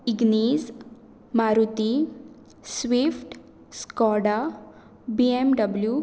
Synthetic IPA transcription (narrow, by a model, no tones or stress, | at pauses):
iɡniːz | maɾut̪i | sʋifʈ | skɔɽa | biemɖəblju